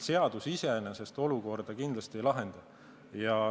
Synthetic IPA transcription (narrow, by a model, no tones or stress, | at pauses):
se̞ɑd̪̥usise̞nese̞st̪o̞luko̞rd̪̥ɑkind̪̥lɑst̪ie̞jlɑɦe̞nd̪̥ɑ | jɑ